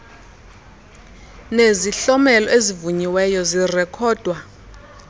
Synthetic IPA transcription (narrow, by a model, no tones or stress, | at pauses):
neziɬɔmɛlɔʔezivuɲiwɛjɔzirɛkʰɔːd̥ʱwa